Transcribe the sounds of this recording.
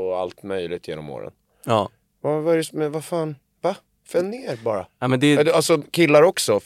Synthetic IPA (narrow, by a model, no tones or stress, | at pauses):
ɔa̰lt̪mœjlɪɡ̚t̪jḛːnɔmo̰ːɾə̰n | ɑː | vavaɛɾɛsmɛvafaːn | va | fɛnnːeːɾbɑːɾa̰amɛnd̪ɛd̪alsɔkʰɪlːaɾɔksɔ